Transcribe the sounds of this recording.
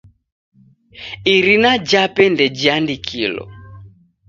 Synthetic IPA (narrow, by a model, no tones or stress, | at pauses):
iɾinad͡ʒapɛndɛd͡ʒiandikʰḭlɔ̰